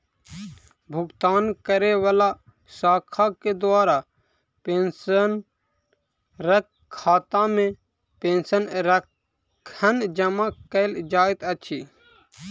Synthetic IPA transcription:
bʱʊɡt̪aːnkəɾeʋəla | saːkʰaked̪ʊwaːɾa | peːnsən | ɾək | kʰːaːt̪ãmẽ | pẽːnsənɾəkʰ | ənd͡ʒəmãkəɪld͡ʒaːɪt̪ət͡ʃʰiː

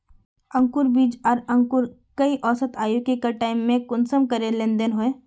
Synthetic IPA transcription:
ə̃ŋkʊɾbiːd͡ʒɐɾɐ̃ŋkʊɾ | kɐiʔɔːsət̪aːjukikaʈaːɪmːẽkʊnsəmkɐɾẽlẽnd̪ənɦoẽː

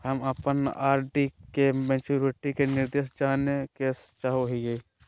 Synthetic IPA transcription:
ɦəməpənaːɾɖikemẽːt͡ʃuːɾɪʈikenɪɾd̪eːʃd͡ʒaːnekest͡ʃaːɦoɦiɡe

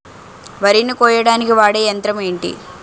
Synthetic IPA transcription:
ʋɐɾinːikɔːjɐɽaːnikiʋaːɽeːjɐnt̪ɾɐmeːɳʈḭ

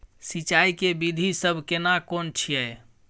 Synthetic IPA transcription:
sit͡ʃaikebid̪ʱisəbʱkenakont͡ʃʰiəj

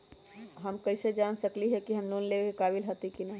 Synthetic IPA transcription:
ɦəmkəɪsed͡ʒansəkliɦɛkiɦəmlonlebekekaːbilɦət̪ikina

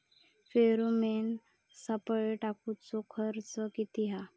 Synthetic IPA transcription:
feɾomen | səpəɭeʈakut͡sɔkʰəɾt͡səkit̪iɦa

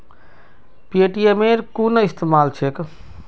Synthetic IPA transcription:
pieʈijemeɾkunəist̪emalt͡ʃʰek

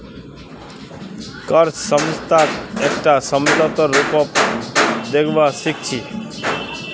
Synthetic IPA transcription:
kʌɾt͡ʃsʌmst̪ʰakek̚ʈasʌmlɔt̪ɔɾupɔp | d̪ekʰbasik̚t͡ʃʰi

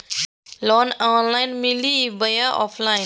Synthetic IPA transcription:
lɔnanlajnmilibəjaʔɔ̰pʰlajn

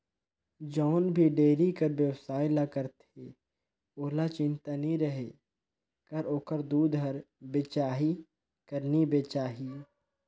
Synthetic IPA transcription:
d͡ʒɔːnbʱiɖeːɾikəɾbjəwsaːjlakəɾt̪e | oːɦlat͡ʃɪ̃nt̪aniɾəɦe | kəɾoːkəɾd̪uːd̪ɦəɾbet͡ʃaːɦi | kəɾnibet͡ʃaːɦi

